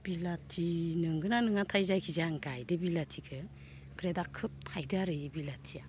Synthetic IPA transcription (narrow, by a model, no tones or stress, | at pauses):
b̥ilatʰinɯŋɡɯnanɯŋatʰajzajkʰizaŋɡajdɯbilatʰikʰɯ | pʰɾedakʰːɯp̚tʰajdaɾɯjbilatʰija